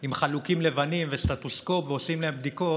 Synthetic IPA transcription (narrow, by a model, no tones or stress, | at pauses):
imχalukimle̞vanimvest̪at̪osko̞pveosimleembd̪iko̞